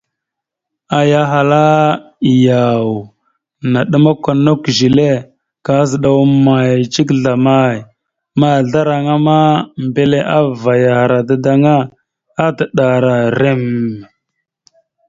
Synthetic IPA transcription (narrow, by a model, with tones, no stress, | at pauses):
a˨ja˨ɦa˨la˦˨ | ja˨w | na˨ɗə˦ma˦kʷa˨no˦kʒi˨le˦ | ka˨˦zə˨ɗa˨wma˨jt͡ʃi˦k̬ɮa˨ma˦j | ma˦˨ɮa˦ɾa˨ŋa˦ma˦mbe˦le˦ʔa˦va˨ja˨ha˨ɾa˨da˦da˨ŋa˦ | a˦tə˨ɗa˨ɾa˨ɾe˦m˨